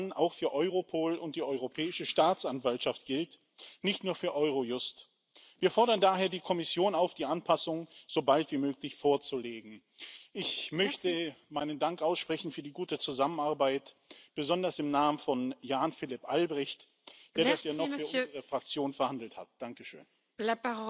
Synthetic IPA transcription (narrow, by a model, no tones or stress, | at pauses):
na̰ʊxfyːɐʔɔʏʁopʰoːlʊnt̚d̥iːʔɔʏʁopʰɛːɪʃəʃtaːt͡sʔanvaltʃaftɡ̥ɪlt | nɪçtnuːɐfyːɐʔɔʏʁ̞ojʊst | viːɐfɔɐɾɐndaːɦeːɐdiːkʰɔmɪsjoːnaʊfd̥iːʔanpʰasʊŋz̥obaltv̥iːmøːklɪçfoːɐt͡suleːɡŋ̩ | ʔɪçmœçtəmaɪnəndaŋkʔaʊsʃpʁ̥ɛçn̩fyːɐdiːɡuːtət͡suzamənaɐbaɪt | b̥əzɔndɐsɪmnaːmənfɔnjaːnfɪlɪpʔalbʁɪçt | d̥eːɐdasjaːsnɔfyɐʔʊzəʁəfʁ̥ak̚t͡sjoːnfɛɐhandl̩tha̰t̚d̥aŋkəʃø̰ːn